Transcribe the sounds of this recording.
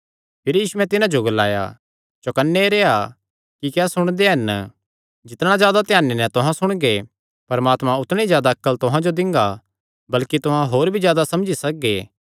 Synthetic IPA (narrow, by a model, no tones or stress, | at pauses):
pʰɪɾjiːsuɛ̃t̪ɪnãd͡ʒoɡɐla̰ːja̰ | t͡ʃokɐnːeɾeːa | kikɛːsʊɽ̃d̪eɦɐn | d͡ʒɪt̪ɽ̃ãzjaːd̪at̪ɪjaːnenɛ̃t̪ʊɦãsʊɽ̃ɡe | pɐɾmaːt̪mãʊt̪ɽ̃ẽizjaːd̪aɐkːəlt̪ʊɦãd͡ʒod̪ɪ̃ŋɡa | bɐlkit̪ʊɦãɦoːɾbʱizjaːd̪asɐmd͡ʒisɐk̚ɡeː